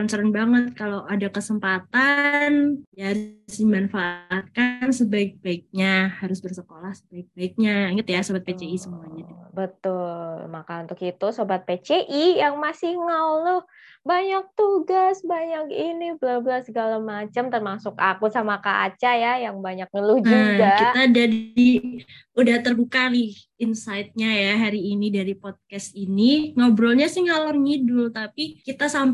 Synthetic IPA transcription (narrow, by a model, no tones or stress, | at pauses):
ant͡ʃaɾanbaŋət̪̚kalowʔadakəsəmpat̪anjaaɾʊsdimanfaʔːt̪̚kansəbaɪk̚baɪk̚ɲahaɾʊsbərsəkolahsəbaɪk̚baɪk̚ɲaiŋət̪jasobat̪̚pet͡ʃeisəmuaɲadibət̪ʊlmakaunt̪ʊkit̪usobat̪̚pet͡ʃeʔijaŋmasihŋawlʊh | baɲak̚t̪uɡasbaɲakinibəlabəlasəɡalamat͡ʃamt̪ərmasʊkakusamakaʔa̰t͡ʃajajaŋbaɲak̚ŋəlud͡ʒuɡakit̪adadi | udaht̪ərbukalɪh | insaɪt̪̚ɲajaɦaɾiːnidaɾipɔd̪̚kɛsiniŋawbɾɔlɲasihŋalərŋidʊlt̪apikit̪asam